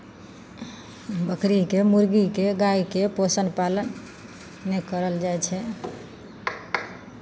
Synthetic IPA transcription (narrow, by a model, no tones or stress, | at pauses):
bəkʰɾikemuɾɡikeɡaikeposənpalənː | ɛkəɾəld͡ʒajt͡ʃʰɛ